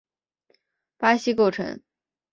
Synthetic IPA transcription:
pa˥ɕi˥ko˥˩ʊʈ͡ʂʰɤ̰˧˥ŋ

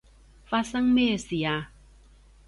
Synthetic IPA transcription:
fa˧sa˦ŋmeː˦˨si˨a˨˧

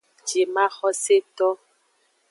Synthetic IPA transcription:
d͡ʒe˨ma˦xɔ˦se˦t̪ɔ˦

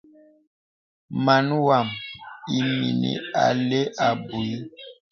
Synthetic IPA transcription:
ma˨n˦wa˨mi˨mḭ˨nḭ˨a̰˨le˦ʔa˨bu˨i˦

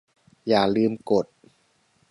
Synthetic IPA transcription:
jaː˨˩lɯː˧mko˨˩t̪̚

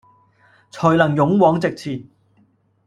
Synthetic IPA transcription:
t͡sʰɔː˨˩jlɐ˨˩ŋjʊ˨˥ŋwɔː˨˥ŋt͡sɪ˨k̚t͡sʰiː˨˩n

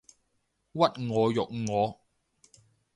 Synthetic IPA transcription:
wɐ˥t̚ŋɔː˨˧jʊ˨k̚ŋɔː˨˧˦

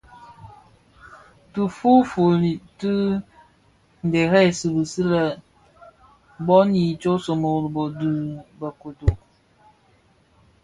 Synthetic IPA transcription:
tu˨fu˦fo˨li˨tɨ˦ | n̩˨de˨ɦɛ˦˨sɨ˨bu˨sɨ˦ɾa˨ | bɔ˦ni˨t͡ʃo˦sɔ˨mo˨ɾbɔ˨du˨ba˨ko˨do˨

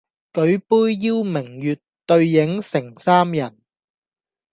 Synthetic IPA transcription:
kɵ˨˥ɥpuː˥jjiː˥wmɪ˨˩ŋjyː˨t | t̪ɵ˧ɥjɪ˨˥ŋsɪ˨˩ŋsaː˥mjɐ˨˩n

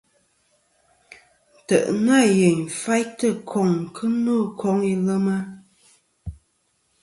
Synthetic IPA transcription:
tə˨ʔŋa˦˨je˨ɲ˨fa˦jtə˦˨kʰɔ˨ŋ˨kʰə˦no˦˨kʰɔ˨˦ŋi˦lə˦mə˦

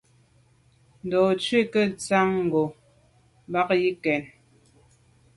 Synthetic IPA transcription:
n̩˨dɔː˨t͡ʃɥi˦˨kə˦˨t͡sa˦ŋ̩˨ɡo˨˦ | ba˦k̚ji˦kɛ˨n

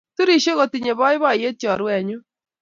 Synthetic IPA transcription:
tu˦ɾi˨ʃe˦ɣo˨ti˨ɲe˨βɔ˦ɪ˦βɔ˦˨je˦t͡ʃɔ˨ɾwɛ˨ɲo˦

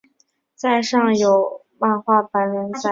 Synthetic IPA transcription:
t͡sa˥˧ɪʂɑ˥˩ŋjo˨˩ʊ | pa˥˧nxwa˥˩pa˧˥nɻə˧˥nt͡sa˥˩

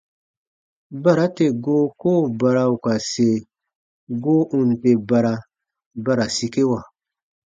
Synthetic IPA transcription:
ba˦˨ɾa˦te˨ɡo˦koː˦˨ba˧ɾa˧u˨ka˨se˨ | ɡo˦ʔũ˨n˨te˨ba˨ɾa˧ | ba˦ɾa˨si˦ke˦wa˨

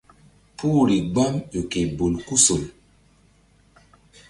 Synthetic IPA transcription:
pʰu˦˨ɾi˨ɡ͡ba˦mo˨ke˨bo˨lku˦so˨l

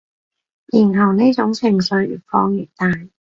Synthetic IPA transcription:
jiː˨˩nɦɐ˨˩wniː˥t͡sʊ˨˥ŋt͡sʰɪ˨˩ŋsɵ˧ɥy̰ː˨˩fɔː˧ŋjyː˨˩t̪aː˨˧j

